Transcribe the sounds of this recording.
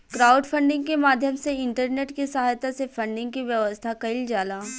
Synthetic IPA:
kɾaːʊɖpʰə̃ɳɖɪ̃ŋɡkemaːd̪ʱjəmseɪɳʈəɾneːʈkisɐɦaːjt̪asefʰɐ̃ɳɖɪ̃ŋɡ̚kiʋjɐʋəst̪ʰakɐɪld͡ʒaːlaː

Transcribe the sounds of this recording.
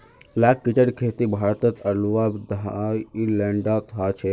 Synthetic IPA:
laːkːit͡ʃəɖkʰeːt̪ibʱaːɾt̪ət̪ʰɐlʋaːbd̪ailɛ̃ɳɖat̪ʰaːt͡ʃʰe

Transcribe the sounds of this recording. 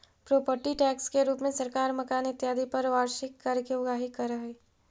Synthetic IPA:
pɾoːpəɾʈiʈɛːkskeɾuːpmẽsɐɾkaːɾmɐkaːnɪt̪jaːd̪ipɐɾʋaːɾʃɪkːɐɾkeʊɡaːɦikɐɾəɦeː

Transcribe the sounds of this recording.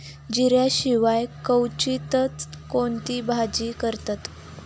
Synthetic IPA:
d͡ʑiɾjaɕiʋajkəwt͡ɕit̪ət͡skont̪iːbʱad͡ʑiːkəɾt̪at̪

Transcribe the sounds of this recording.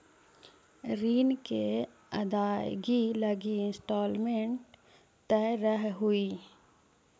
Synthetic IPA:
ɾiːnke | ɐ̰d̪aːɡilɐɡiɪnsʈoːlmẽɳʈ | t̪ɛːɾəɦɦui

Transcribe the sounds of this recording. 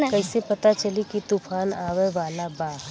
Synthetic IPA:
kɐɦɪsepɐt̪at͡ʃɐlikit̪ufʰaːnaːʋɛʋaːlabaː

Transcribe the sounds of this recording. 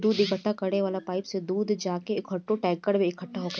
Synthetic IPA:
d̪uːd̪ɪkəʈːakɐɾneʋaːlapaːɪpsed̪uːd̪d͡ʒaːkeːkɦɐʈːõʈɛːkəɽmẽɪkʰɐʈːaɦoɡ

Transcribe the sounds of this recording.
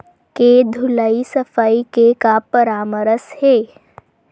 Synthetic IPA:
ked̪ʱʊlaisɐfʰaːikekapəɾaːməɾəsheː

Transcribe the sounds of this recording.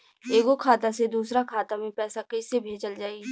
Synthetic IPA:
eːɡokʰaːt̪ased̪uːsɾakʰaːt̪amẽpɛːsakɐɪsebʱeːd͡ʒəld͡ʒaːeɡ

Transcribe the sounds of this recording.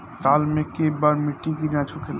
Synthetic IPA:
saːlmẽkebaːɾmɪʈːikinãt͡ʃʰukʰel

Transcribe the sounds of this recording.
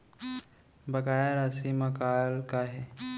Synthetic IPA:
bɐkaːjəɾɐsimɐkaːlkaɦɛː

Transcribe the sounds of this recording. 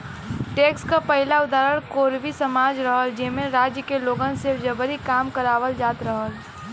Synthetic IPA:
ʈeːkskapəɦɪlaʊd̪aːɾəɽ̃koːɾʋisɐmaːd͡ʒɾəɦəld͡ʒɪmẽɾaːd͡ʒjəkeloːɡənsed͡ʒɐbəɾikaːmkəɾaːʋəld͡ʒaːt̪ɾɐɦəl

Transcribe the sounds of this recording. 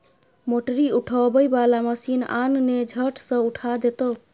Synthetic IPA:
moʈəɾiuʈʰɔbəjbalaməsina̰nned͡ʒʱəʈsʌ̃uʈʰad̪et̪o

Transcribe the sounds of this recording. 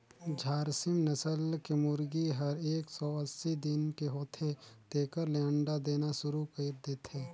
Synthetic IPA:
d͡ʒʱaːɾsɪmnɐsəlkemʊɾɡiɦɐɾeːksɔəsːid̪ɪnkeɦoːt̪ʰed̪̥eːkəɾlɛːɳɖad̪eːnaʃʊɾukɐit̚d̪eːt̪ɦeː

